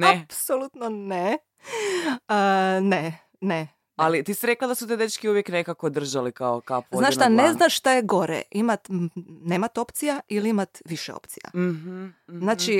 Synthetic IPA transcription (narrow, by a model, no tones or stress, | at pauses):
napsolut̪none | əne | ne | alit̪isiɾeklad̪asut̪ed̪et͡ʃkiuʋjeknekakod̪r̩ʒalikaokapznaːʃt̪aneznaʃʃt̪ajeɡo̞ɾḛimat̪neːmat̪o̞pt̪sijailiimat̪ʋiʃḛo̰pt̪sija̰ | znaːt͡ʃi